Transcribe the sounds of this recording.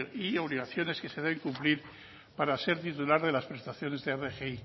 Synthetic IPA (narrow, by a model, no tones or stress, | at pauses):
io̞β̞liɣaθjo̞ne̞ske̞seðee̞ŋkumpliɾ | paɾase̞ɾt̪it̪ulaɾðe̞laspɾe̞st̪aθjo̞ne̞zðeerexei